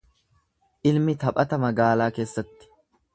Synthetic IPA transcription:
ʔɪlmɪt̪ɐpʼɐt̪ɐmɐɡaːlaːke̞ːsːɐt̪ːɪ̥

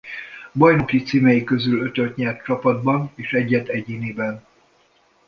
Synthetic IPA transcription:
bɒjnokit̪siːmɛjikø̞zylø̞t̪ølt̪ɲɛrt̪t͡ʃɒpɒd̪bɒneːʃɛɟːɛt̪ɛɟiːniːbɛn

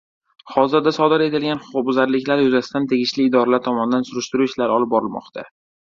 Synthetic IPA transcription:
χɒzɪɾd̪asɒd̪ɪɾe̞t̪ɪlɡʲanχʊbʊzaɾlɪkʲlaɾjʊzasɪd̪ant̪ʰe̞ɡʲɪʃlɪːd̪ɒɾalaɾt̪ʰɒmɒnɪd̪ansʊɾɪʃt̪ʊɾuɪt͡ʃʰlaɾɒlˠɪp̚bɒɾɪlmɒ̰qt̪ʰa̰

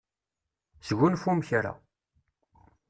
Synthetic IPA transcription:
sʝʷunfumçɾa̰

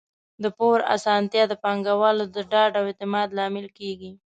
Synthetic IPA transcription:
d̪əpoɾa̰sɑnt̪jɑd̪əpɑŋɡawɑlod̪əɖɑɖawet̪ɪmɑd̪lɑmɪlkeɡi

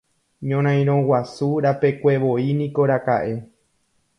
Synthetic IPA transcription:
ɲõɾ̃ãj̃ɾ̃õ̞wasuɾape̞kʷe̞ʋo̞inĩko̞ɾaka̰ʔe̞

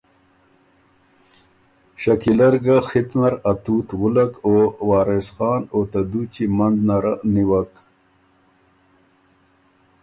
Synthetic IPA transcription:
ɕakilaɾɡaxit̪naɾat̪uːt̪ɣulakowɑːɾesxɑːnot̪ad̪ut͡ɕimand̪naɾaniwak

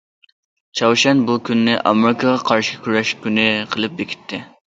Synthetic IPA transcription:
t͡ʃʰɑwʃɛnbukʲynːɪʔɑmɪɾɪkʰɑʁɑqʰɑɾʃɪkʲʰyɾɛʃkʲynɪqʰəlˠɨp̚bekʲʰi̥t̪ʰːɪ

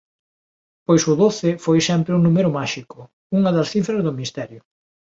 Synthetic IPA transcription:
pojsʊðoθɪfojsɛmpɾɪunumeɾʊmaʃikʊ | uŋɐðɐsθifɾɐzðʊmist̪ɛɾjʊ

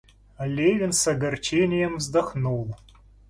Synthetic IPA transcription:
alʲevʲɪnsɐɡɐrt͡ʃenʲɪjəmvzd̪ɐxnulˠ

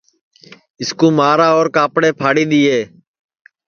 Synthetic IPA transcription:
ɪskuːmaːɾaːoːɾkaːpɽeːpʰaːɽiːɗ̪iːeː

